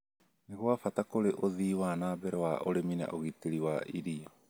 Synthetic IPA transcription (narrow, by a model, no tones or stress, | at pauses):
neɣoafatakoɾeʔoðiːwanaːbɛɾɛwaʔoɾemina̰ʔoɣiteɾiwaʔiɾia